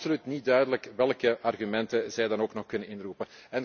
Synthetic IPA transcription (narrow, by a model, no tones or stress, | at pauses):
solytnit̚dœɥdələkʋɛlˠkəʔɑrɣymɛntəzɛjdɑnoːknɔxkɵnənɪnrupənɛn